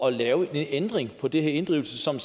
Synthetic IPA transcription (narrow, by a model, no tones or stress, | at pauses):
ɒ̽lɛːʊe̝nend̥ʁeŋpʰɒ̽d̥eɦeɐe̝nd̥ʁḭʊl̩səsɒ̽ms